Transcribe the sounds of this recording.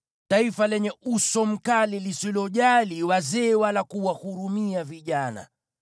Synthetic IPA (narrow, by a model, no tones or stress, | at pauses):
taifalɛɲɛʔusɔm̩kalilisilɔʄaliwazɛːwalakuwahuɾumiaviʄana̰